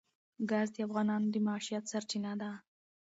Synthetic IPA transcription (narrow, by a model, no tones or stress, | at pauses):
ɡazd̪əafɣɑnɑnod̪əmaɑʃijat̪saɾt͡ʃinad̪a